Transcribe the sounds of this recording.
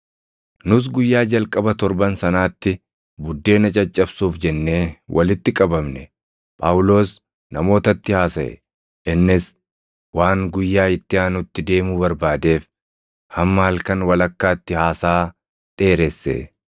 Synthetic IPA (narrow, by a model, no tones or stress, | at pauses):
nʊs̬ɡʊjːaːd͡ʒɐlkʼɐbɐt̪ɔɾbɐnsɐnaːt̪ːɪ | bʊd̪ːe̞ːnɐt͡ʃʼɐt͡ʃʼːɐbsuːfd͡ʒɛnːe̞ːwʔɐlɪt̪ːɪkʼɐbɐmnɛ | pʼaʊlo̞ːs | nɐmo̞ːt̪ɐt̪ːɪhaːsɐʔɛ̰ | ʔɪnːɪs | waːŋɡʊjːaːɪt̪ːɪaːnʊt̪ːɪd̪e̞ːmuːbɐɾbaːd̪e̞ːf | hɐmːɐhɐlkɐnwɐlɐkːaːt̪ːɪhaːsaː | ᶑ̪ʼe̞ːɾeːsːḛː